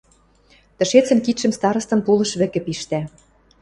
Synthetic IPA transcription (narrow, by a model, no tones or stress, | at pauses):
t̪ə̆ʃet͡sə̆nkit̪ʃə̆mst̪ɑɾɤ̆st̪ɤ̆npulɤ̆ʃβɘ̆kɘ̆piʃt̪æ